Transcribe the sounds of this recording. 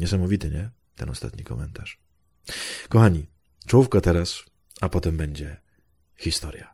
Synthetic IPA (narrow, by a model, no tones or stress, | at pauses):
ɲɛsamɔvʲit̪ɘɲɛ | t̪ɛnɔ̰st̪a̰t̪ɲikɔmɛnt̪aʂ | kɔxaɲi | t͡ʂufkat̪ɛɾas | apɔt̪ɛmbɛɲd͡ʑɛ | xʲist̪ɔɾja